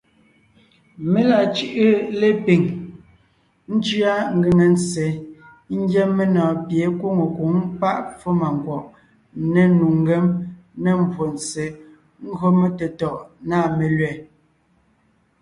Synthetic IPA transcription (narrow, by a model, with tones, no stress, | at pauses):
me˨la˨t͡ʃʉ˦ʔɯ˦le˦pi˨ŋ | n̩˦d͡ʒɰa˦ŋ̩˦ɡɯ˨ŋe˨n˦t͡se˨˦ | ŋ̩˦ɡjɛ˦mːe˦nɔ̃ː˨pje˨˦kwo˦ŋo˨ku˨˦ŋpa˦ʔfo˦ma˨ŋ˨ɡwɔ˨ʔ | ne˨nu˨ŋ˦ɡɛ˦mne˦m˦bwo˨n˨t͡se˨ | ŋ̩˦ɡo˦me˦te˨tɔ˨ʔnaː˦˨me˨lɥɛ˨